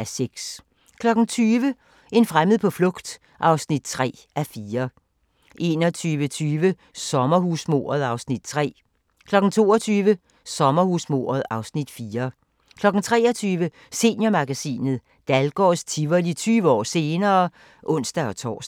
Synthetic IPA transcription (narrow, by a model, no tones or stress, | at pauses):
ʔæseɡ̥s | kʰlɒ̽ɡ̥n̩t͡sʰyːʋə | e̝nfʁaməð̞̩ˠpʰɒ̽flɔ̽ɡ̥d̥ | ʔɑ̈ʊsnid̥̚t͡sʰʁɛ̰ː | ʔæfiːɐ | ʔe̝ːnɒt͡sʰyːʋət͡sʰyːʋə | sɒ̽mɐɦusmo̝̰ːɐð̞̩ˠɑ̈ʊsnid̥̚t͡sʰʁɛ̰ː | kʰlɒ̽ɡ̥n̩t͡sʰo̝̰ːɒt͡sʰyːʋə | sɒ̽mɐhusmo̝̰ːɐðˠɑ̈ʊsnid̥fiːɐ | kʰlɒ̽ɡ̥n̩t͡sʰʁɛ̰ːɒt͡sʰyːʋə | se̝njɐmɑ̈ɡ̥æsḭːnð̞̩ˠ | d̥ælɡ̥ɒ̰st͡sʰiʋɐlit͡sʰyːʋəɒ̰ːse̝ːnɐː | ʔɔ̽n̰sd̥æɒ̽t͡sʰɒ̰ːsd̥